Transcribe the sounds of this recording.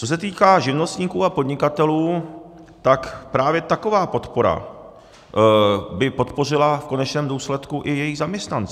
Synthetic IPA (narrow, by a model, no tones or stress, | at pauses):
t͡sos̬ɛt̪iːkaːʒɪvno̞st̪ɲiːkuːapo̞dɲɪkat̪ɛluː | t̪akpɾaːvjɛt̪ako̞vaːpot̪po̞ɾa̰ | bɪpo̞t̪po̞r̝ɪlafko̞nɛt͡ʃnɛːmduːslɛt̪kuʔɪjɛjiɣzamɲɛst̪nant͡s